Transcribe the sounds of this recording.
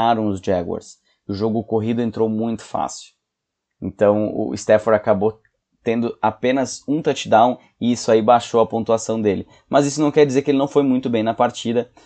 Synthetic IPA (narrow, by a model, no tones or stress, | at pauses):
aɾɐ̃w̃ʊzd͡ʒɛɡɔ̰ɾs | ʊʒoɡʊkoɦid̪ʊẽnt̪ɾowmũj̃t̪ʊ̥fa̰sɪʊ̥ | ḛ̃nt̪ɐ̃w̃ʊ̰ḭst̪ɛfoɾakabo | t̪ẽnd̪ʊapẽnɐzũt̪at͡ʃɪd̪ãw̃ | ɪisʊaibaʃoɐpõnt̪uasɐ̃w̃d̪elɪ | mʔɐzisʊnɐ̃w̃kɛɾd͡ʒizeɾkɪelɪnɐ̃w̃fojmũj̃t̪ʊbẽj̃nɐpaɾt͡ʃid̪ɐ